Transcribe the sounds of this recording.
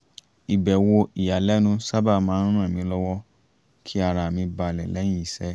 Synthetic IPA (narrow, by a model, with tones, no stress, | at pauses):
i˨bɛ˨wo˧i˨ja˨lɛ˨˦nũ˦sa˦ba˦˨mãː˨˦ũ˦ũ˦ɛ˦˨mĩ˨˧˦lɔ˦wɔ˦ | kʰi˦a˧˨ɾa˨mĩ˧ba˧˨lɛ˨lɛ˨˦ĩ˦i˨˦sɛ˦